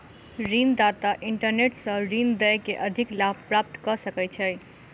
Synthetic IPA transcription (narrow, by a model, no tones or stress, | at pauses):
ɾind̪at̪aʔiɳʈəɾneʈsə̃ɾind̪əjkeʔəd̪ʱiklab̚ʱpɾap̚t̪kəsəkɛjt͡ʃʰəj